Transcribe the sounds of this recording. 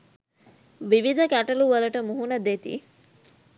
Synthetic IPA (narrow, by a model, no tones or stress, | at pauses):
ʋiʋid̪ʱəkæʈɐluʋɐlɐʈəmuɦunɐd̪et̪ḭ